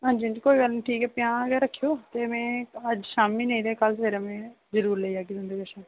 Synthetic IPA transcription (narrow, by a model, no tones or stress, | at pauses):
ɦãːnd͡ʒiːə̃d͡ʒiːkoːiːɡəlnːʈʰiːkɛːpjãːəɡəɾəkʰːijoːt̪eːmɛ̃ːəd͡ʒʃaːmĩːnəĩːd̪eːkəlpʰeɾəmẽː | zəɾuːɾleiːaːkid̪ʊ̃nd̪eːɡeʃãː